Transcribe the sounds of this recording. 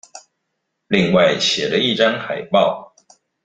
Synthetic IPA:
li˥˧ŋwa˥˩ɪɕjɛ˨˩lə˦i˥˩ʈ͡ʂa˥nxa˨˩ɪpɑ˥˩ʊ

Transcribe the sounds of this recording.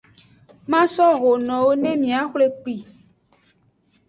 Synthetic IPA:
mã˦sɔ˦ɣo˨nɔ̃˨wo˦nẽ˦mĩ˨ã˨˦xle˦k͡pi˨

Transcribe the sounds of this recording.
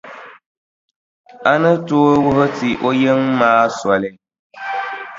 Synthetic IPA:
a˦nɨ˦toː˦wʊ˦ɦʊ˦ti˨ʔo˦je˦ŋmaː˦sɔ˨lɪ˦

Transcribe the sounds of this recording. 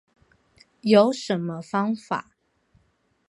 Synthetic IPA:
jo˨˦ʊʂə˨˦nmə˧fɑ˥ŋfa̰˨˩˦

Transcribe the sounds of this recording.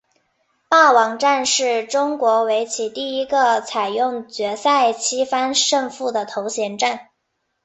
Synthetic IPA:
pa˥˩wɑ˧˥ŋʈ͡ʂa˥˧nʂɻ̩˥˩ʈ͡ʂʊ˥ŋkwɔ˧˥we˧˥ɪt͡ɕʰi˧˥t̪i˥˩i˥ɡə˧t͡sʰa˨˩ɪjʊ˥˩ŋt͡ɕɥɛ˧˥sa˥˩ɪt͡ɕʰi˥fa˥nʂɤ˥˧ŋfu˥˩d̪ə˩t̪ʰo˧˥ʊɕjɛ˧˥nʈ͡ʂa˥˩n

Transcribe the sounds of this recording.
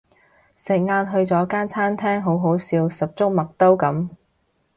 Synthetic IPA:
sɪ˨˩k̚ŋaː˧nɦɵ˧ɥt͡sɔː˨˥kaː˥nt͡sʰaː˥nt̪ʰɛː˥ŋɦo˨˥wɦo˨˥wsiː˧wsɐ˨p̚t͡sʊ˥k̚mɐ˨k̚t̪o˥wkɐ˨˥m

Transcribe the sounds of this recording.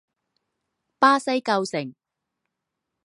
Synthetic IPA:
paː˥sɐ˥jkɐ˧wsɪ˨˩ŋ

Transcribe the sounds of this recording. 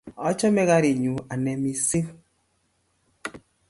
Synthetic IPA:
ɔ˦t͡ʃɔ˦mɛ˦ɣa˦ɾi˨ɲu˨a˨nɛ˨mi˨se˦

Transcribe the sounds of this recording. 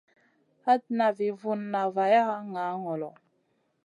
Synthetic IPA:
a˦tna˨vi˨vu˨nːa˨va˨ja˦a˦ŋa˨˦ŋɔ˨lɔ˨

